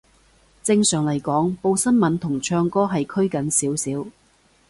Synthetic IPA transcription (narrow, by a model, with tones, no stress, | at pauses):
t͡sɪ˧ŋsœː˨˩ŋlɐ˨˩jkɔː˨˥ŋpo˧wsɐ˥nmɐ˨˥nt̪ʰʊ˨˩ŋt͡ʃʰœː˧ŋkɔː˥ɦɐ˨jkʰɵ˥ɥkɐ˨˥nsiː˨˥wsiː˨˥w